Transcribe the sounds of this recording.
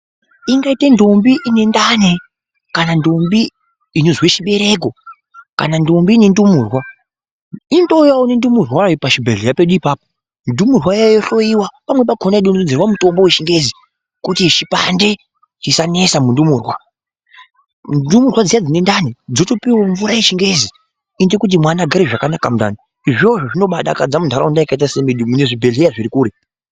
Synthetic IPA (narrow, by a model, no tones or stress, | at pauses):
iŋɡaitendo̞mbiʔine̞ndane | kanando̞mbiː | nozweʃiɓe̞ɾe̞ko̞ | ka̰nando̞mbiːne̞ndumurwa | indo̞jaunendumurwapaʃibʱeɮerape̞ɗuipaːpo | ndumurwajajoɬo̞jiwapamwepaɡʰʱonaɗunod͡zerwamuto̞mboweʃiŋɡe̞zi | kutit͡ʃipa̰nde̞ | t͡ʃisane̞samundumuːrwa | ndumurwad͡zijad͡zine̞ndanid͡zotopiwoɱvuɾaje̞ʃiŋɡe̞zi | indokut̬imwanaɡʱaɾeʐakanakamunda̰ni | iʐo̞ʐoʐino̞ɓaɗa̰kad͡zamundʱaɾaundaikait̬asemiɗumune̞ʐibʱe̞ɮejaʐiɾikuːɾe